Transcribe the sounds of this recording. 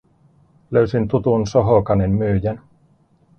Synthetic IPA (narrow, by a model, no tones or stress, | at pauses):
løysint̪ut̪unsoɦokɑnemmyːjæn